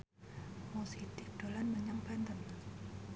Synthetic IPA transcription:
mosit̪id̪̥olanməɲaŋpand̪ən

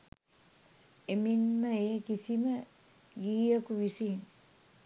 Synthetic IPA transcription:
eminməekisimə | ɡiːəkuʋisiːn

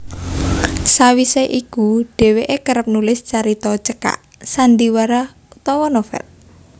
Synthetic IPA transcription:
sawiseʔikuɖ̥e̤weʔekəɾəp̚nulɪst͡ʃaɾit̪ɔt͡ʃəka̰ʔ | sand̪iwaɾa | ut̪ɔwɔnofɛ̰l

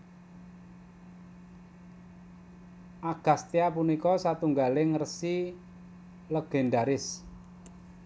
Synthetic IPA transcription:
ʔaɡ̥a̤st̪eapunikɔsat̪uŋɡaleŋərsi | ləɡ̥e̤nɖaɾɪs

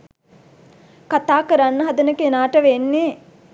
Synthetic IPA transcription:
kat̪aːkəɾanːəɦɐd̪ɐnəkenaːʈəʋenːeː

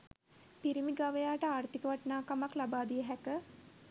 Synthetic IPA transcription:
piɾimiɡaʋəjaːʈəaːrt̪ikəʋaʈnaːkamaklabaːd̪ijəɦɛkə

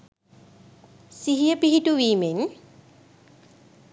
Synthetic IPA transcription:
siɦijəpiɦituwiːmen

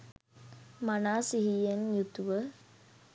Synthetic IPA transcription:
manaːsiɦijenjut̪uʋə

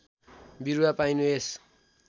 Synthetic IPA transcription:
biɾuwapajnues

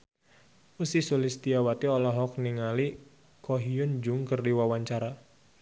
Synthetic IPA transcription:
usisulɪst̪iawat̪iɔlɔɦɔk̚niŋali | kɔɦiʊnd͡ʒʊŋkərdiwawaɲt͡ʃaɾa

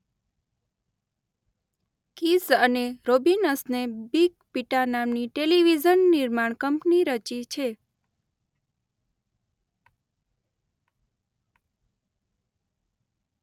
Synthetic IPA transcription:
kisəneɾobinəsnebikpiʈanamniʈeliʋid͡ʒənːiɾmaɳ̃kəmpniɾət͡ʃit͡ʃʰe

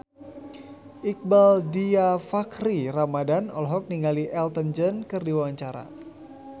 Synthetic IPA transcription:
ʔik̚baldiafakɾiramadanɔ̰lɦɔk̚niŋɡaliʔɛlt̪ənd͡ʒənkərdiwawaɲt͡ʃaɾa̰

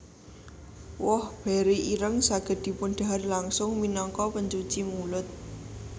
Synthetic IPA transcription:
wɔhb̥ɛ̤ɾiʔiɾəŋsaɡ̥ə̤d̪̥i̤punɖ̥a̤rlaŋsʊŋminɔŋkɔpəɲt͡ʃut͡ʃimulʊt̪̚

